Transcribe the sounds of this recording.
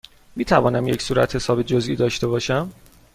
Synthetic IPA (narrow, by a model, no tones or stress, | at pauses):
miːt̪ʰævɒːnæmjecsuːɾæ̰t̪ʰhe̞sɒːbed͡ʒozʔiːd̪ɒːʃt̪e̞bɒːʃæm